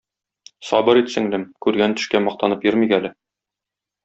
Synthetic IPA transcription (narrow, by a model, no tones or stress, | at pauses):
sɒbɤɾit̪sɘ̆ŋlɘmkʉɾɡænt̪ɘ̥̆ʃkæmɒq̚t̪ɑnɤpjɵ̆ɾmikælɘ